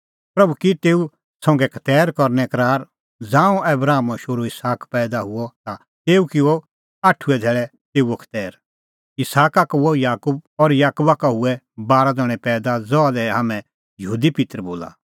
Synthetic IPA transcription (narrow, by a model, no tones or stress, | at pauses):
pɾɐbukit̪eːu | sɔ̃ːŋɡɛkʰɐ̥t̪ɛːɾkɔɾnɛkɐɾaːɾ | d͡zãːũɛbɾaːmʃoɾoɪsaːkpɛːd̪aɦʊɔt̪a | t̪eːukɪo | aʈʰːuɛd̪ʱɛːɭɛ | t̪eːuɔkʰɐ̥t̪ɛːɾ | ɪsaːkakuɔjaːkub̚ɔɾjaːkubakaɦʊɛ | baːɾad̪ɔɽ̃ɛpɛːd̪ad͡zɔad̪ɛɦamɛ̃ | jəɦuːd̪ipɪt̪ɾəboːla̰ː